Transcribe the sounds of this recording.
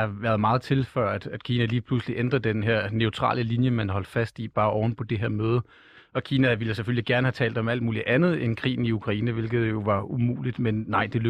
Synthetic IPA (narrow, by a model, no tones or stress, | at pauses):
ɑ̈ʋæɐð̞ˠmɑ̈ːð̞̩ˠt͡sʰe̝lfɶɐ̰d̥æd̥kʰiːnæliːpʰlusliʔend̥ʁɐd̥enɦeɐ̰neʊt͡sʰʁɑ̰̈ːləlinjəmænɦɒ̽l̰d̥fæsd̥ib̥ɑ̈ːʔɒʊn̩pʰɒ̽d̥e̝ɦeɐ̰møːð̞ˠə | ɒ̽kʰiːnæʋiləsefølliɡ̥æɐnəhæt͡sʰɛ̰ːld̥ɒ̽mæl̰d̥̚muːliʔænð̞̩ˠenkʰʁḭːn̩iukʰʁɑ̈iːnəʋe̝lɡ̥ð̩ˠjo̝ʋɑ̈umṵːlid̥menːɑ̈ɪ̰d̥e̝lø